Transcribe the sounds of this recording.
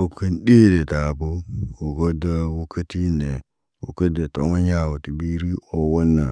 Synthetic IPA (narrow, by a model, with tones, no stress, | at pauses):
o˨kə˦nɗe˦de˨ta˨bo˦wo˨ɡo˦da˦wu˦kʰə˦ti˦ne˨ | wo˨kə˦de˨to˨ma˦ɲa˦˨wo˨ti˨bi˦ɾi˦o˨wo˦nːa˨